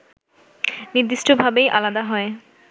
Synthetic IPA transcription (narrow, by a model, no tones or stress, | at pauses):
niɾd̪iʃʈobʱabejʔalad̪aɦɔe